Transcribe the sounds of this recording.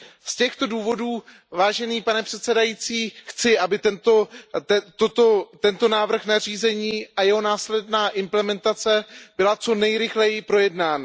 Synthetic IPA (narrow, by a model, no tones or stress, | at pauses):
scɛxt̪o̞duːvo̞duː | vaːʒɛniːpanɛpr̥ɛt̪sɛdajit͡siːxt͡sɪʔabɪt̪ɛnt̪o | t̪ot̪ot̪ɛnt̪o̞naːvr̩xnar̝iːzɛɲiːʔajɛɦo̞naːslɛdnaːʔɪmplɛmɛnt̪at͡sɛb̥ɪlat͡so̞nɛjɾɪxlɛjɪpɾo̞jɛdnaːna